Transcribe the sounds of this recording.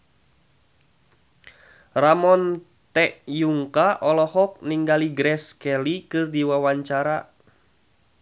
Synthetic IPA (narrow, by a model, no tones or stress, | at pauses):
ramɔn | t̪ɛʔjuŋkaʔɔlɔhɔk̚niŋɡaliɡɾɛskɛlikɨrdiwawaɲt͡ʃaɾa